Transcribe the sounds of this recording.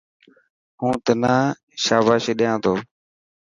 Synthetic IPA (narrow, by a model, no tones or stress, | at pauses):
ɦũːt̪ənaː | ʃaːbaːʃeːɗɪjãːt̪ʰoː